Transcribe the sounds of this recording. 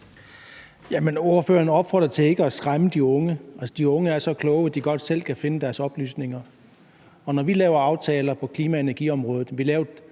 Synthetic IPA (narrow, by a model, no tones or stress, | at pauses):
jæməno̝ɐføːɐnɒ̽b̥fɒːd̥ʁɐt͡sʰe̝e̝ɡ̥əɒsɡ̥ʁaməd̥iɔ̽ŋəʔælsɒd̥iɔ̽ŋəæɐsɒ̽kʰlɔ̽ʊæd̥iɡ̥ɒ̽d̥sel̰kʰæfe̝nəd̥æɐsɒ̽b̥ly̰ːsne̝ŋɐ | ɒ̽nɒʋilɛːʊɐɑ̈ʊt͡sʰɛːlɐpʰɒ̽kʰliːmæe̝nɐɡ̥ḭɒ̽mʁɔ̽ːðð̩ˠʋilɛːʊɐ